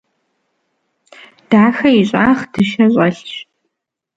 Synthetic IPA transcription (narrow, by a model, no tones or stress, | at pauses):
d̥aːxɐiɕʼa̰ːχd̥ɨʃɐɕʼɐɬɕ